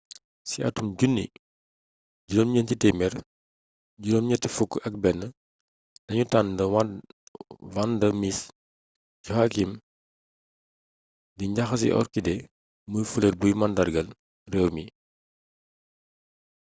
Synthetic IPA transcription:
siɐ̰tumɟunːḭ | ɟudɔmɲəntitɛmɛr | ɟudɔmɲɐtːifukːɐk̚bɛnːə | dɐɲutandə | wandəmis | ɟuhakim | diɲɟaxɐs̬ḭʔɔ̰rkidɛ | mujfulerbujmɐndɐrɡɐl | rɛːwmi

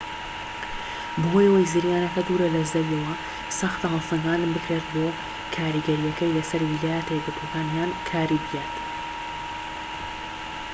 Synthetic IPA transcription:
bɨɦojɐwɐjzɨɾjaːnɐkɐd̪uːɾɐlɐzɐɾiɐwɐ | sɐxt̪ɐɦɐlsɨŋɡaːnbɨkɾet̪boː | kʰaːɾiɡɐɾijɐkɐjlɐsɐɾwilaːjɐt̪ɐjɛɡɨt̪wɔkaːnjaːnkʰaːɾibɨjeːt̪

